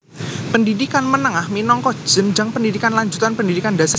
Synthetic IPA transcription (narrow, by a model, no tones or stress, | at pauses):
pəndidikanmənəŋahminɔŋkɔ̥d͡ʒ̥əmd͡ʒaŋpəndidikanlaɲd͡ʒut̪anpəndidikandasa